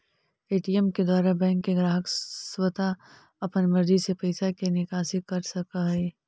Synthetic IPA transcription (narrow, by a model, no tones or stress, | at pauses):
eːʈijɛmked̪waːɾabɛ̃ːŋkːeɡɾaːɦəkswət̪a | ɐpənmɐɾd͡ʒ̪isepɐɪsakenɪkaːsɪkɐɾsɐkaɦɛː